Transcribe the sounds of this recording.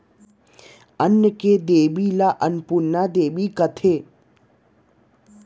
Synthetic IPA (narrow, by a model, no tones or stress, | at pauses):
ənːjəked̪eːbilaʔənpuɾnad̪eːbikət̪ʰeː